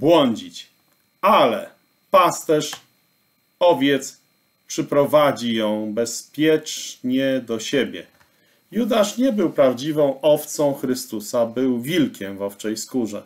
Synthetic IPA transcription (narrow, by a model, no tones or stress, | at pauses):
bwɔɲd͡ʑit͡ɕ | alɛ̰ | past̪ɛʂ | ɔvʲjɛt̪s | pʂɘpɾɔvad͡ʑijɔ̃w̃bɛspʲjɛt͡ʂɲɛd̪ɔɕebʲjɛ̰ | jud̪aʂɲɛbɘwpɾavd͡ʑivɔ̃w̃ʔɔft̪sɔ̃w̃xɾɘst̪usabɘwvʲilkʲɛmvɔft͡ʂɛjskuʐɛ